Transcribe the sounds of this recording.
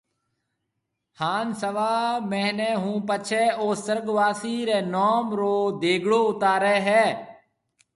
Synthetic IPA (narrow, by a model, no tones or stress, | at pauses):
haːnsəʋaːmɛ̃ːnɛ̃ːɦũːpət͡ʃʰɛːoːsəɾɡʋaːsiːɾeːnɔːmɾoːd̪eːɡɽoːʊt̪aːɾɛːɦɛː